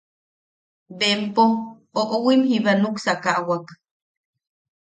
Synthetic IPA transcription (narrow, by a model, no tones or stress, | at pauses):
bempo | oʔʼowimhiβanuksakaʔwak